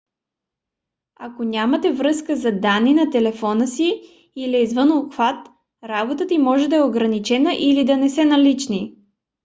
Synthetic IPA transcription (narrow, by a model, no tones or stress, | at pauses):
ɐkonʲamɐt̪ɛvɾɤskəzɐd̪anːinɐt̪ɛlɛfɔnəsi | iliɛizvənoxvat̪ | ɾabot̪ət̪imɔʒɛd̪ɐɛoɡɾɐnit͡ʃɛnəʔilid̪ɐnɛsɛnɐlit͡ʃni